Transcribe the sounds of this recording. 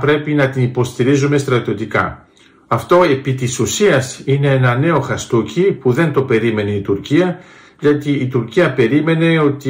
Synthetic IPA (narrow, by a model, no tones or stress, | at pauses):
pɾe̞pinɐt̪inipo̞st̪iɾizume̞st̪ɾɐt̪io̞t̪ikɐ̰ | ɐft̪o̞e̞pit̪isusiɐsine̞enɐne̞o̞xɐst̪ucipuðe̞nt̪o̞pe̞ɾime̞neit̪uɾciɐ | ʝɐt̪iːt̪uɾciɐpe̞ɾime̞ne̞o̞t̪i